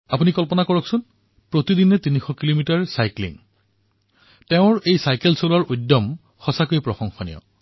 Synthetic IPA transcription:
apunikɔlpɔnakɔɹɔksʊn | pɹot̪idinɛtinixɔkilomitaɹsajklḭŋ | teʊ̃ɹejsajkelsolɔɹudːɔm | xɔsakojpɹɔxɔŋxɔnḭjɔ̰

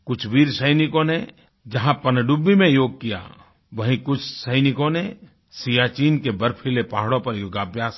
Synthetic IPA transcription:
kʊt͡ʃʰʋiːɾsəɪnɪkõne | d͡ʒɐɦãpɐnɖubimẽjoːɡ̚kija̰ | ʋɐɦĩkʊt͡ʃʰsəɪnɪkõne | sijaːt͡ʃiːnkebɐɾpʰilepaːɦɽõpɐɾɡaːbjaːs

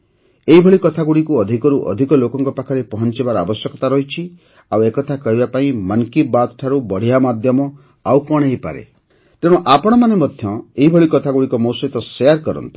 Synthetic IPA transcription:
eɦibʱɔɭikɔt̪ʰaɡuɽikuɔd̪ʱikɔɾuʔɔ̰d̪ʱikɔlokɔŋkɔpakʰɔɾepɔɦɔnt͡ʃibaɾɔabɔsjɔkɔt̪aɾɔɦit͡ʃʰi | awekɔt̪ʰakɔɦibapaĩmankibat̪ɔʈʰaɾubɔɽ̤iamad̪ʱjɔmɔ | awkɔɽ̃ejpa̰ɾḛ | t̪ẽɔʔapɔɽ̃ɔmanemɔd̪ʱjɔ̃eɦibʱɔɭikɔt̪ʰaɡuɽikɔmɔwsɔit̪ɔseaɾkɔɾɔ̰nt̪i̥

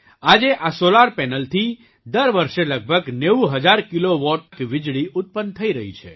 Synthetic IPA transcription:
ad͡ʒeʔasolaɾpɛnəlt̪ʰi | d̪əɾʋəɾʃeləɡ̚bʱəɡneuɦəd͡ʒaɾkiloʋɔʈkʋɪd͡ʒɭiʔʊt̪̚pənt̪ʰəiɾəɦḭt͡ʃʰḛ

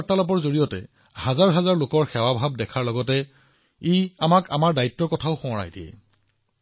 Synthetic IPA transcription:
aɹtːalɔp̬ɔɹzoɹijɔtɛ̰ | hazaɹɦazaɹlokɔɹxɛwabʱab̚dɛkʰaɹlɔɡɔtɛ | eamaka̰maɹdaitːɔɹkɔtʰaʊxɔ̃ɹa̰jdiɛ̰

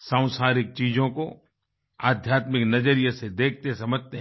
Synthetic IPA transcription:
sãːʊ̃saːɾɪk̚t͡ʃiːd͡ʒõko | aːd̪ʱjaːt̪mɪknɐd͡ʒəɾijased̪eːk̚ʰt̪esɐməd͡ʒt̪eɦ

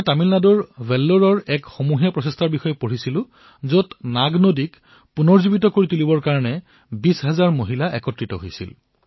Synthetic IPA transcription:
tamilnadɔɹbʱɛlːoɹɔɹɛkxomuɦijapɹɔsɛstʰaɹbixɔjɛpoɹisilʊ̃ | zotnaɡnodik | punɔɹzubitɔkoɹitulibɔɹkaɹɔnɛ | bisɦazaɹmoɦilaʔɛkɔtɹitɔ̰ɦojsḭl

